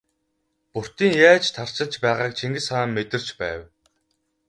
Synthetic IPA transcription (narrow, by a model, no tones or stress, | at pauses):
pur̥t̪iːŋjaːt͡ɕt̪ʰar̥t͡ɕɪ̆ɮt͡ɕpæːʁaːk̚t͡ɕʰiŋɡɘ̆saːmːet̪ɘ̆r̥t͡ɕpæ̰ːw